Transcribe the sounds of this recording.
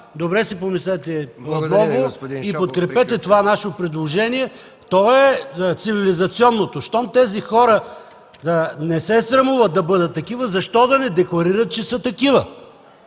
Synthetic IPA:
d̪obɾɛsipomislɛt̪ɛonɔɡʊipot̪̚kɾɛpɛt̪ɛt̪ovanaʃpɾɛd̪lˠoʒɛniɛ | t̪ɔɛt̪sivilizɐt̪siɔnːot̪oʃt̪ɔmt̪ɛzixɔɾə | nɛsɛsɾɐmuvɐt̪̚d̪ɐbɤd̪ət̪ːɐkivəzɐʃt̪ɔd̪ɐnɛd̪ɛklˠɐɾiɾɐt̪̚t͡ʃɛsət̪ɐkivə

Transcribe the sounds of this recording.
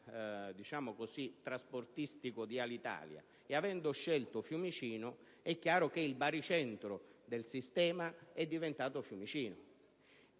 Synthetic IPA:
d̪it͡ʃaːmʊkosit̪ːɾasport̪ist̪ikʊd̪ialit̪a̰ːlja̰ | eavɛnd̪ʊʃːɛlt̪ʊfjumit͡ʃiːnʊ | ɛkːjaːɾʊkeilbaɾit͡ʃɛnt̪ɾʊd̪elsist̪ɛːmaɛd̪ːivent̪aːt̪ʊfjumit͡ʃiːnʊ

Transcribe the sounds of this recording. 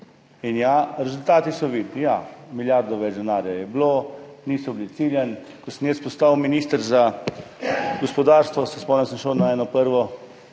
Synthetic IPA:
injaɾɛzult̪aːt̪isɔʋiːd̪nijamiljaɾd̪ɔʋɛd͡ʒd̪ɛnaːɾjajɛbloniːsɔblit̪siːljən | kosənjɛspɔst̪awminiːst̪əɾza | ɡɔspɔd̪aːɾst̪ʋɔsəspɔnɛnsəmʃəwnaɛːnɔpəɾʋɔ

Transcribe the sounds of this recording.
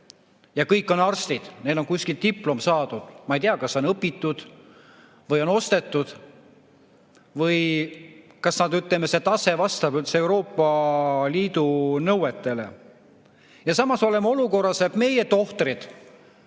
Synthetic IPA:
jɑkɤjkːˑo̞nɑrst̪id̪̥ne̞lo̞nkusʲkilt̪ipˑlo̞msɑːd̪̥ud̪̥mɑejt̪iɑkɑsːeonɤpːit̪ːˑud̪̥ | vɤjo̞no̞st̪e̞t̪ːˑud̪̥ | vɤj | kɑsnɑd̪yt̪ˑlemese̞t̪ɑse̞vɑst̪ɑbylt̪see̞uwɾo̞ːpːˑɑliːd̪̥unɤwet̪ˑːe̞le̞̰ | jɑsɑmɑso̞lemo̞luko̞rːɑsebme̞je̞t̪o̞ht̪rid̪̥

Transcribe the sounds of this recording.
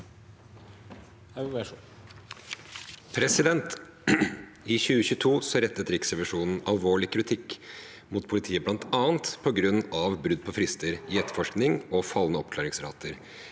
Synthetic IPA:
pʰɾɛsɪd̪ɛnt̪ | ɪçʉːəçʉːt̪ʰuːsɔɾɛt̪ːət̪ɾɪksəʋæʂuːnn̩ʔɑlʋoːɭɪkʰɾɪt̪ʰɪkː | mʊt̪pʰʊlɪt̪ʰiːəblɑnt̪ɑːənt̪pʰɔɡɾʉnːɑʋbɾʉd̪̚ːpʰɔfɾɪst̪əɾɪɛt̪ːəfɔʂknɪŋɔfɑlːənəɔpklɑːɾɪŋsɾɑ̰ːt̪ʰəɾ

